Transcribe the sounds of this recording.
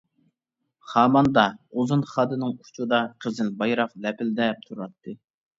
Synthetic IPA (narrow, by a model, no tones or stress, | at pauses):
χɑːmɑnd̪ɑozunχɑd̪ɨnɨŋu̥t͡ʃʰud̪ɑqʰəzɪlbɑjɾɑqlɛpʰɪld̪ɛp̚t̪ʰuɾɑt̪ʰːɨ